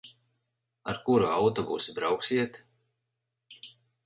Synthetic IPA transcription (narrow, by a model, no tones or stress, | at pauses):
a̰ɾkuɾuawt̪ɔbṵːsibɾawksiɛt̪